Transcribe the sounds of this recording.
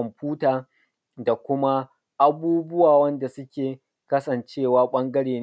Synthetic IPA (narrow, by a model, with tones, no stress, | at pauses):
mɸuː˦taː˨ | da˨kʷʊ˦ma˦ | ʔa˦buː˦bʊ˦waː˨wɐ˦nda˨sʊ˦kʲeː˨ | kɐ˦sɐ˨nt͡ʃeː˦˨waː˦ɓɐ˦ŋɡɐ˦ɽeː˨n